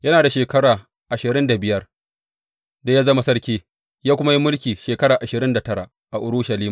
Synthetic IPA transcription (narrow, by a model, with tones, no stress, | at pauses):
jɐ˦naː˨da˨ʃeː˨kɐ˦ɽaː˨ | ʔa˨ʃɪ˨ɾɪ˦nda˨bɪ˨jɐ˦r | da˦jaː˦zɐ˦ma˦sɐ˦ɽkʲeː˦ | jaː˦kʷʊ˦ma˦ji˦mʊ˦lkʲiː˨ʃeː˨kɐ˦ɾaː˨ʔa˨ʃɪ˨ɾɪ˦nda˨tɐ˦ɾa̰˨ | ʔa˨ʔʊ˨ɾʊ˦ʃɐ˨liː˦m